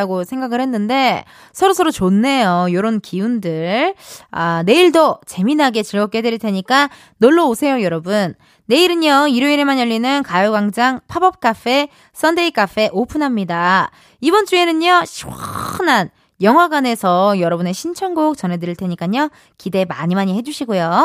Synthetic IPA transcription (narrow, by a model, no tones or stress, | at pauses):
ɡosʰe̞ŋɡaɡɯɭhe̞nːɯnde̞ | sʰʌɾosʰʌɾot͡ɕonːe̞jojoɾonkiundɯɭane̞iɭdot͡ɕe̞minɦaɡe̞t͡ɕɯɭɡʌk͈e̞deɾiɭtʰeɲik͈a | noɭːoosʰe̞jojʌɾʌbunː | e̞iɾɯɲʌiɾoiɾemanjʌʎːinɯnkajuɡaŋd͡ʑaŋpʰabʌp̚k͈afʰe̞ | s͈ʌnde̞ik͈afʰe̞ʔopʰunɦamɲida | ibʌnt͡ɕ͈ue̞nɯɲʌɕʰianan | jʌŋɦwaɡwane̞sʰʌjʌɾʌbune̞ɕʰint͡ɕʰʌŋɡok̚t͡ɕʌnɦe̞dɯɾiɭtʰe̞ɲik͈aɲʌ | kide̞ma̰ɲimaɲiɦe̞d͡ʑuɕʰiɡojo